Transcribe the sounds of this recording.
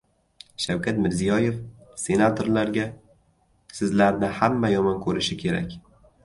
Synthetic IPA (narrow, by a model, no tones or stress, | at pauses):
ʃawkʲʰat̪mɪɾzijɒje̞fse̞nat̪ʰo̞ɾlaɾɡʲa | sɪzlaɾnɪhamːajɒmɒnkʰɵɾɪʃɪkʲʰe̞ɾa̰kʲ